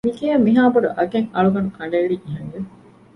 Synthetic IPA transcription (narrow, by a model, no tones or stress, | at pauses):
mikijɐmːiɦaːbɐɖuʔɐɡeŋɐɭuɡɐnukɐɳɖɐiliʔiɦɐŋɡe